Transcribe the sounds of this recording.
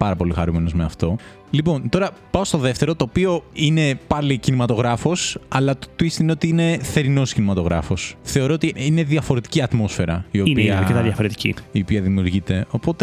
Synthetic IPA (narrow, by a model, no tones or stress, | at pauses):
pɐɾɐpo̞lixɐɾumeno̞zmeɐft̪o̞ | lipo̞nt̪o̞ɾɐpɐost̪o̞ðe̞ft̪e̞ɾo̞t̪o̞ːpio̞ine̞pɐlicinimɐt̪o̞ɣɾɐfo̞sɐlɐtot̪uist̪ineo̞t̪iine̞θe̞ɾino̞scinimɐt̪o̞ɣɾɐ̰fo̞sθe̞oɾo̞ot̪iine̞ðiɐfo̞ɾet̪i̥ciɐt̪mo̞sfe̞ɾɐio̞ipiɐɾket̪ɐðjɐfo̞ɾet̪i̥cḭio̞piɐðimiuɾʝit̪e̞o̞po̞t̪e